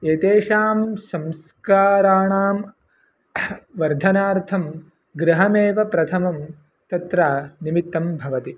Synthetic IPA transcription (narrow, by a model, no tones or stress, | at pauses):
eːt̪eːʃaːmsɐ̃ms | kaːɾaːɳaːm | ʋɐɾd̪ʱɐnaːɾt̪ʰɐm | ɡɾɐɦɐmeːʋɐpɾɐt̪ʰɐmɐm | t̪ɐt̪ɾaːnimit̪ːɐmbʱɐʋɐt̪i